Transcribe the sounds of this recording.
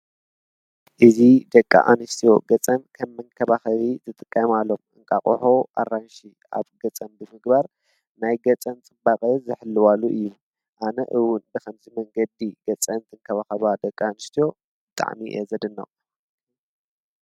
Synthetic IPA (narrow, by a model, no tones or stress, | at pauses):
ʔɨzid̪ɐkʼːa̰ʔanɨʃt̪ʰijo̞ɡɐt͡sʼɐnkʰɐmːɨŋkʰɐβaxɐβit̪ʰɨt̪ʼɨkʼːɐmalːo̞mɨŋkʼaχʼṵħoʔa̰rːanʃi | a̰βɡɐt͡sʼɐnbɨmɨɡbaɾ | najɡɐt͡sʼɐnt͡sʼɨbakʼɐzɨħɨlːɨwaluʔɨjːu | ʔanɐʔɨwʊnbɨxɐmzimɐŋɡɐd̪iɡɐt͡sʼɐnt̪ʰɨŋkʰɐβaxɐβad̪ɐkʼːaːnɨʃt̪ʰijo̞ | b̥ɨt̪ʼa̰ʕmiʔezɐd̪ɨnːɐ̰